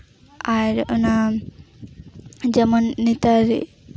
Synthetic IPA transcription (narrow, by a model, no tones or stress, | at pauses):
aɾuna | d͡ʒɛmɔnːit̪aɾ